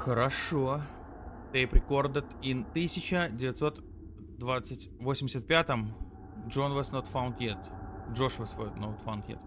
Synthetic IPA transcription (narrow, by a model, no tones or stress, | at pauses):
xəɾɐʂo | t̪ejpɾʲɪko̞rd̪ət̪int̪ɨsʲɪt͡ɕədʲɪvʲɪt̪so̞t̪ | d̪vat̪sɨtʲvosʲɪmʲdʲɪsʲət̪̚pʲat̪əm | ʐonvəsnot̪faʊnt̪jet̪ʐoʂvəsvnot̪fawnt̪jḛt̪